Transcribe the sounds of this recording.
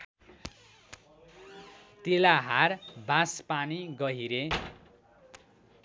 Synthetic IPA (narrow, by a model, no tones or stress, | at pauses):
t̪elaɦarbãspaniɡʌɦiɾe